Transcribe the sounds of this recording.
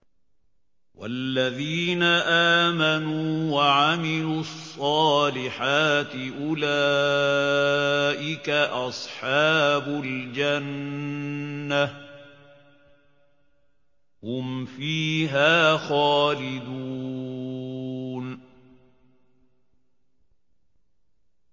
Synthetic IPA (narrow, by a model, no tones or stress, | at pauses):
wa̰lːaðiːnaʔaːmanuːwaʕamɪluɑsˤːɑːlɪħaːt̪ɪʔʊla | ʔɪkaʔɑsˤħɑːbʊld͡ʒan | a | hʊmfiːɦaːxaːlɪd̪uː | n